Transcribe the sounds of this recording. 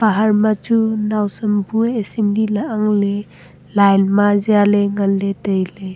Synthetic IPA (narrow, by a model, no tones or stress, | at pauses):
paɦaɾmat͡ʃunawsəmbueesimlilaʔaŋle | lajnmazialeŋanːetəjle